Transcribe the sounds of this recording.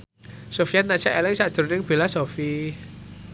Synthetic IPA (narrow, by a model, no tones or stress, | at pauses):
sofjat̪̚nad̥t͡ʃaʔɛlɛŋsaʔsd̪̥uɾunɪŋb̥e̤lasofi